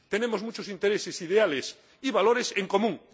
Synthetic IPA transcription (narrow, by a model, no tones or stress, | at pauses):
t̪enemozmut͡ʃosint̪eɾesesiðeales | iβaloɾeseŋkomũŋ